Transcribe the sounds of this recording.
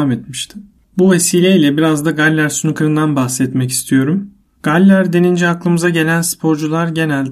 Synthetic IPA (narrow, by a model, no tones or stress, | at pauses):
amet̪miʃt̪ʰɪ | buve̞siːlʲeilʲɛbiɾazd̪aɡalʲːæɾsunukʰɯɾɯnd̪anbaxsɛt̪mɛci̥st̪ʰijo̞ɾum | ɡ̥alʲːæɾd̪e̞nind͡ʒɛaklˠɯmɯzaɟe̞lʲænspʰo̞ɾd͡ʒulˠaɾɟe̞nælʲd̪